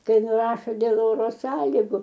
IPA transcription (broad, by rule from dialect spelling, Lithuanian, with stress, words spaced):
ˈkɐɪ nʊˈrɑːʃoː dʲeːlˠ ˈoːroː ˈsɑːlʲɪɡʊ